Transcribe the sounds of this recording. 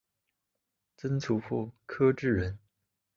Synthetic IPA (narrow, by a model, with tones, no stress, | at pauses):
t͡sə˥nt͡sʰu˧˥fu˥˩kʰɤ˥ʈ͡ʂɻ̩˥˩ɻə˧˥n